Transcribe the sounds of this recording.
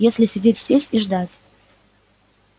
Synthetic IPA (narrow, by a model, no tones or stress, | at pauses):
jesʲlʲɪsʲɪdʲetʲz̥ʲesʲiʐd̪atʲ